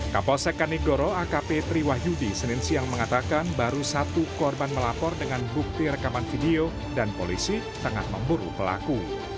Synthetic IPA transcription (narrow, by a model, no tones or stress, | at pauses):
kapɔsɛkaniɡoɾoakapet̪ɾiwahjudisənɪnsiaŋməŋat̪akanbaɾusat̪ukɔrbanməlapɔrdəŋanbuk̚t̪iɾəkamanfideo | danpolisi | t̪əŋa̰hməmbuɾṵpəla̰ku